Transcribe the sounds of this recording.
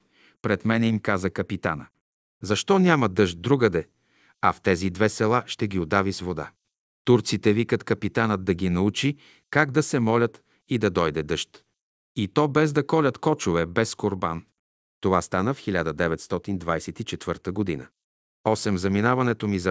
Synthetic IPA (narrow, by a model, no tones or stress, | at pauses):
pɾɛt̪mɛnɛimkazəkɐpit̪anə | zɐʃt̪ɔnʲamɐd̪ɤʃt̪̚d̪ɾuɡəd̪ɛ | ɐft̪ɛzid̪vɛsɛlˠaʃt̪ɛɡʲiod̪avisvod̪a̰ | t̪uɾt̪sit̪ɛvikət̪kɐpit̪anət̪̚d̪ɐɡʲinɐut͡ʃi | kaɡd̪ɐsɛmɔlʲət̪ | id̪ɐd̪ɔjd̪ɛd̪ɤʃt̪ | it̪ɔbɛzd̪ɐkɔlʲət̪kɔt͡ʃʊvɛbɛskoɾba̰n | t̪ovast̪anəfxilʲad̪əd̪ɛvɛt̪st̪ɔt̪ind̪vajsɛt̪it͡ʃɛt̪vɤɾt̪əɡod̪inə̰ | ɔsɛmzɐminavɐnɛt̪omizɐ